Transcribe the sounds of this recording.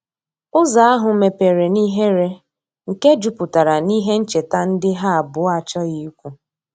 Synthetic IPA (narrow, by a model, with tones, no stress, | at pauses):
ʊ˦za˨a˦ɦʊ˨me˨pe˨ɾe˨ni˦ɦe˦ɾe˦ | ŋ̩˨ke˦d͡ʒu˨pʊ˨ta˨ɾa˨ni˦ɦe˦n̩˦t͡ʃe˨ta˦n̩˦dɪ˦ɦa˦a˨bʊ˨˦a˨t͡ʃɔ˦ɣi˦u˦kʷu˦